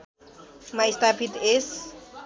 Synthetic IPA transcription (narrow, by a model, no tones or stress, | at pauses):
maist̪apʰit̪es